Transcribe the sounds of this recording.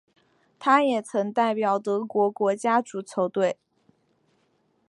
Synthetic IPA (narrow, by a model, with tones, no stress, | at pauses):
t̪ʰa˥jɛ˨˩t͡sʰɤ˧˥ŋt̪a˥˩ɪpjɑ˨˩ʊt̪ɤ˧˥kwɔ˧˥kwɔ˧˥t͡ɕja˥ʈ͡ʂu˧˥t͡sʰo˧˥ʊt̪we˥˩ɪ